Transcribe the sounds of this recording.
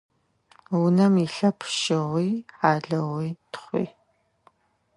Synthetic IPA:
wʊnɐmiɬɐpʰʃɪʁʷiːħaːɮɐʁiːtʰχʷḭː

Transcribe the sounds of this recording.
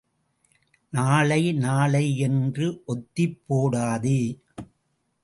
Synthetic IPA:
naːɭɐɪnaːɭɐɪɛndrɯʔɔt̪ːɪpːoːɽaːðɯ

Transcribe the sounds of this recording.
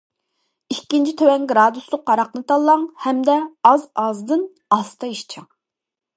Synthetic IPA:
ikʲːint͡ʃʰit̪ʰøwɛnɡɾɑd̪uslˠʊq̚qːɑɾɑqnɨt̪ʰɑlˠːɑŋhɛmd̪ɛɑzɑzd̪ɨn | ɑst̪ʰɑiʃt͡ʃʰɑŋ

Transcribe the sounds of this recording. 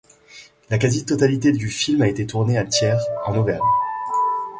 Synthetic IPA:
lakazit̪ɔt̪alit̪ed̪yfilmaet̪et̪ʰuʁneat̪jɛʁɑ̃novɛʁ

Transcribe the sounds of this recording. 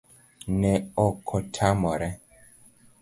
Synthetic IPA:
nɛɔkʰɔtʰamɔɾɛ

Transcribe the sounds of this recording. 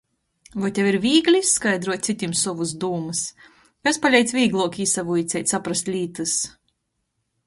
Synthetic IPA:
vɔjt̪ʲjaviɾvʲiːɡlʲisːkajd̪ɾuɔt̪̚ʲt̪sit̪ʲimsɔvuzd̪uːmɨs | kaspalʲɛjt̪svʲiːɡlˠuɔkʲiːsavuit̪sʲɛjt̪ʲsapɾast̪ʲlʲiːt̪ɨs

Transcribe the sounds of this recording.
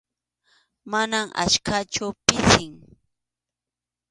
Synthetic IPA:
manamʔa̰ʃkat͡ʃʊpɪsɪŋ

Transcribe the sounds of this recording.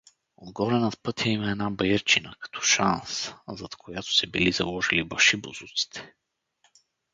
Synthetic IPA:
od̪ɡɔɾɛnɐt̪pɤt̪jəimɐɛnabɐjəɾt͡ʃinəkɐ̥t̪ʰɔ̥ʃanszɐt̪kʰojat̪ʊ̥sɛbilizɐ̰lˠɔʒilibɐʃibozut̪si̥t̪ʰɛ̥

